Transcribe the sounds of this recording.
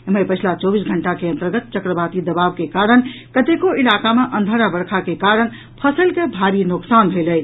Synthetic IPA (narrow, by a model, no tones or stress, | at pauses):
məjpəjt͡ʃʰlat͡ʃobisɡʱəɳʈakeə̃nt̪əɾɡət̪̚t͡ʃəkɾəbat̪id̪əbabkekaɾənkət̪ekoilakameʔənd̪ʱəɾabəɾkʰakekaɾən | pʰəsəlkebʱaɾinoksanbʱelət̪ʰ